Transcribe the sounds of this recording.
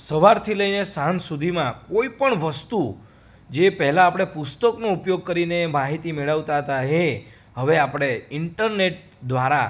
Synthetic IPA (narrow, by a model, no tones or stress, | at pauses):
səʋaɾt̪ʰiləinesãnsud̪ʱimãkoipəɳʋəst̪u | d͡ʒepɛɦlãːpɽ̃epʊst̪əknoupjoɡ̚kəɾinemaɦit̪imeɭəʋt̪aɦət̪aɦe | ɦəʋeapɽ̃eɪɳʈəɾneʈ̚ | d̪ʋaɾa